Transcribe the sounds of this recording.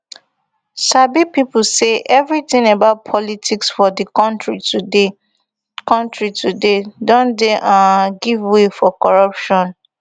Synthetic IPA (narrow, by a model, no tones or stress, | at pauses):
sabipipl̩seʔɛvɹitĩŋabaʊt̚pʰɔlitʰiksfɔdikɔ̃ntɹitude | kɔ̃ntɹitʰudedɔ̃ndeʔãɡivwefɔkɔɹʌpʃɔ̃n